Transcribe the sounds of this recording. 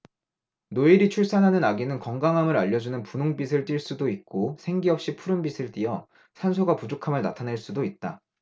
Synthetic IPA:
noiɾit͡ɕʰuɭs͈anɦanɯnaɡinɯnkʌŋɡaŋɦamɯɾaʎːʌd͡ʑunɯnpunoŋbisʰɯɭt͈iɭs͈udoik̚k͈osʰe̞ŋɡiʌp̚ɕ͈ipʰuɾɯnbisʰɯɭt͈iʌ | sʰansʰoɡapud͡ʑokʰamɯɭnatʰaneɭs͈udoit̚t͈a

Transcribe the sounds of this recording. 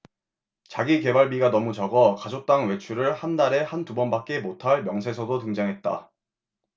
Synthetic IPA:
t͡ɕaɡike̞baɭbiɡanʌmut͡ɕʌɡʌkad͡ʑok̚t͈aŋwe̞t͡ɕʰuɾɯɭhanːaɾe̞hantubʌnbak̚k͈e̞motʰaɭmjʌŋsʰe̞sʰʌdotɯŋd͡ʑaŋɦe̞t̚t͈a̰

